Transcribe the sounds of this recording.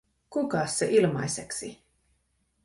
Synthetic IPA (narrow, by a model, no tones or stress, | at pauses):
kukɑsːeʔilmɑ̰jseksi